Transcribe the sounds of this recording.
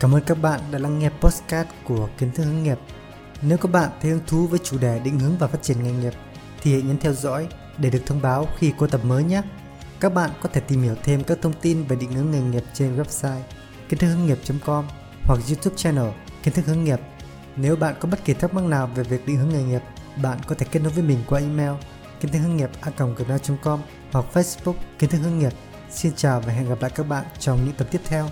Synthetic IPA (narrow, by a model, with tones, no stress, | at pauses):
kaː˧˩mʔəː˧nka˦˥k̚ɓa̰ː˧˨nɗa̰ː˧˥la˧ŋːɛ˧˩pːo˦˥t̚skaː˦˥t̚ku˧˩əki˨˦ənt̪ʰɨ˦˥k̚hɨ˨˦ŋi˨˩əp̚ | ne˨˦wkɔ˨˦ɓa̰ː˧˨nt̪ʰe˨˦hɨ˧ŋt̪ʰu˨˦vəː˨˦jt͡ɕu˧˩ɗɛ˧˩ɗḭ˧˨ŋ̟hɨ˨˦əŋvaː˨˩faː˦˥t̚t͡ɕi˧˩ənŋa˨˩jŋi˨˩əp̚ | t̪ʰi˨˩hḛ˧˨ɲə˨˦nt̪ʰɛ˧wzɔ̰˧˥j | ɗe˧˩ɗɨ˨˩ək̚t̪ʰə˧wŋ͡mɓaː˨˦wxi˧ko˧t̪ə˨˩p̚məː˨˦jɲa˦˥ | kaː˦˥k̚ɓa̰ː˧˨nkɔ˨˦t̪ʰe˧˩t̪i˨˩mhi˧˩əwt̪ʰe˧mkaː˦˥k̚t̪ʰə˧wŋ͡mt̪i˧nve˨˩ɗḭ˧˨ŋ̟hɨ˨˦əŋːa˨˩jŋi˨˩əp̚t͡ɕe˧nwɛ˦˥p̚saː˧j | ki˨˦t̪ɨ˦˥k̚hŋi˨˩p̚t͡ɕɔə˨˦ŋ͡mkɔ˧m | hwa˨˩k̚zu˧t̪ʰu˦˥p̚t͡ɕɛ˧nəː˨˩ki˨˦ənt̪ʰk̚həŋi˨˩əp̚ | ne˨˦wɓa̰ː˧˨nkɔ˨˦ɓə˦˥t̚ki˧˩t̪ʰa˦˥k̚ma˦˧˥ŋnaː˨˩wve˨˩vi˨˩ək̚ɗḭ˧˨ŋhɨ˨˦əŋa˨˩jŋi˨˩əp̚ɓa̰ː˧˨nkɔ˨˦t̪ʰe˧˩ke˦˥t̚no˦˥t̚vəː˨˦jmï˨˩ŋ̟kwaː˧ʔi˧mɛ˧w | ki˨˧˦nt̪ʰkhɨ˧ŋi˨˩p̚ʔaː˧kə˨˩wŋ͡mɣi˨˩p̚naː˧wt͡ɕɔ˨˦ŋ͡mkɔ˧m | hwa˨˩k̚fə˧˥sɓu˦˥k̚kːi˨˦ənt̪ʰɨ˦˥khɨ˧ŋi˨˩əp̚ | si˧nt͡ɕaː˨˩wvaː˨˩ɦɛ̰˧˨nɣa˨˩pla̰˧˨jkaː˦˥k̚ɓa̰ː˧˨nt͡ɕɔ˧wŋ͡mɲɨ̰˧˥ŋt̪ə˨˩t̪i˦˥əp̚t̪ʰɛ˧w